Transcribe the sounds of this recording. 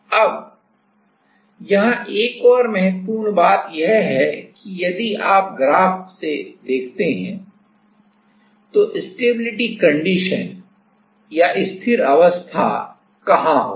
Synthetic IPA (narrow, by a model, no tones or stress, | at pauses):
ɐb | jɐɦãʔeːkɔːɾmɛɦətpuːnbaːt̪jɛɦɦɛkijɐd̪iaːp̚ɡɾaːfsed̪eːkʰt̪eɦɛ̰̃ | t̪oʔɪsʈeːbɪlɪʈikɐ̃ɳɖiːʃən | jaʔɪst̪ʰɪɾɐʋəst̪ʰa̰ | kɐɦãɦo̰ː